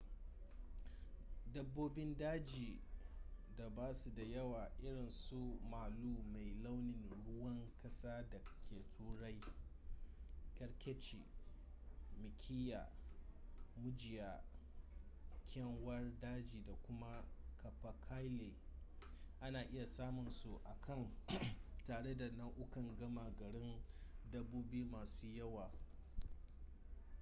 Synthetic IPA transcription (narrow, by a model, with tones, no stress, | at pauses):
dɐ˦bːoː˦bɪ˦ndaː˦d͡ʒiː˨ | da˨baː˦su˨da˨jɐ˦waː˨ʔɪ˦ɽɪ˨nsu˦maː˨luː˦ma˨jla˦wnɪ˨nɽʊ˦wɐ˦ŋkɐ˦saː˦da˨kʲʰeː˨tʰuː˦ɽa˦j | kʲɐ˦ɽkʲɛ˦t͡ʃḭ˨ | mɪ˨kʲʰiː˦ja̰ː˨ | mʊ˦d͡ʒɪ˨ja˨ | kʲɛ˦ŋwɐ˦rdaː˦d͡ʒiː˨da˨kʷʊ˦ma˦kɐ˨ɸa˨kʰa˦jle˨ | ʔa˦naː˨ʔɪ˦ja˨saː˦mʊ˨nsu˨ʔa˨kʰɐ˦˨n | taː˨ɽe˦da˨nɐ˦ŋʔʊ˦kɐ˨ŋɡɐ˦ma˨ɡɐ˨ɽɪ˦ndɐ˦buː˦bi˦u˦maː˨suː˦jɐ˦waː˨